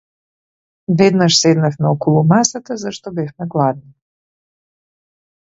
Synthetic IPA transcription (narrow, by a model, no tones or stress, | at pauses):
vɛd̪naʃsɛd̪nafmɛɔkɔlˠumasat̪azaʃt̪ɔbɛfmɛɡlˠad̪ni